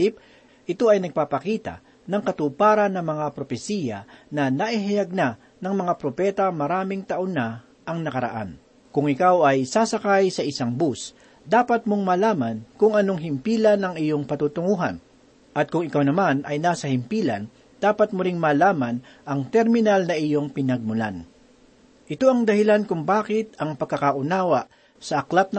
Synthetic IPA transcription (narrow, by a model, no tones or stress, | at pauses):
ɪp̚ | ʔɪt̪o̞ʔɐjnɐɡ̚paːpɐkiːt̪a̰ | nɐŋkɐt̪ʊpaːɾɐnɐŋmɐŋapɾopɛsiːjɐ̰nɐnɐʔɪɦɐjaɡ̚na | nɐŋmɐŋapɾopɛːt̪ɐmɐɾaːmɪŋt̪ɐʔoŋnːa | ʔɐŋnɐkɐɾɐ̰ʔa̰n | kʊŋʔɪkawɐjsaːsɐkajsɐʔɪsaŋbus | d̪aːpɐt̪̚moŋmaːlaːmɐnkʊŋɐnoŋɦɪmpiːlɐnɐŋɪjo̞ŋpɐt̪uːt̪ʊŋuːɦa̰n | ʔɐt̪̚kʊŋɪkawnɐmanʔɐjnaːsɐhɪmpiːlɐ̰n | d̪̥aːpɐt̪̚mʊɾɪŋmaːlaːmanʔɐŋt̪ɛɾmɪnalnɐʔɪjoŋpɪnɐɡ̚mʊla̰n | ʔɪt̪oɐŋd̪ɐhɪlankʊŋbaːkɪt̪ɐŋpɐɡ̚kːɐkaʔʊnaːwa | sɐʔɐklat̪̚n